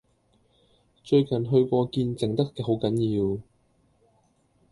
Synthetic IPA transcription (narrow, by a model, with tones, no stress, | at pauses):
t͡ʃɵ˧ɥkɐ˨˩nɦɵ˧ɥkʷɔː˧kiː˧nt͡sɪ˨˩ŋt̪ɐ˥kkːɛː˧ɦo˨˥wkɐ˨˥njiː˧w